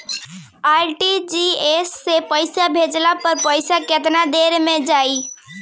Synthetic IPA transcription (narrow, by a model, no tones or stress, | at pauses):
aɾʈid͡ʒiesːepəɪsabʱed͡ʒlapəɾpəɪsaket̪nad̪eɾmẽd͡ʒaːi